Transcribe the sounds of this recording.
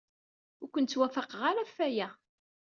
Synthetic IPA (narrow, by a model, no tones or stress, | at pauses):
ʊɾkʷənt̪t͡sːwæfəqʁaɾæfːæjæ